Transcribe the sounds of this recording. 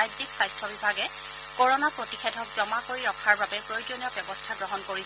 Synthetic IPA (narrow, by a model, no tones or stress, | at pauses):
ajziksajstʰɔbibʱaɡɛ | kɔɹɔnapɹotixʰedʱɔk̚zɔmakoɹiɹɔkʰaɹbabɛpɹojdonɔbjɔbɔstʰaɡɹɔɦɔnkoɹis